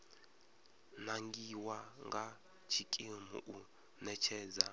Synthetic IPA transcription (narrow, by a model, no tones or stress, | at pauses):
naŋɡiwaŋɡa | t͡ʃʰikʼimṵʔu | nɛt͡ʃʰɛːd͡za